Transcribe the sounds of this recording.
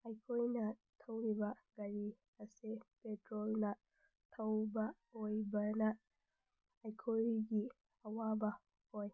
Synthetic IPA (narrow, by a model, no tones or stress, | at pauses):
ʔajkʰoinatʰawɾibaɡaɾi | asɛpɛtɾɔlna | tʰawba | wjbana | ajkʰoɾiɡi | awaba | ɔj